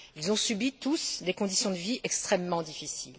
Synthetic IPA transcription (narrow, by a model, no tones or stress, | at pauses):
ilzɔ̃sybit̪usd̪ekɔ̃d̪isjɔ̃d̪əviʔɛkst̪χɛmːɑ̃d̪ifisil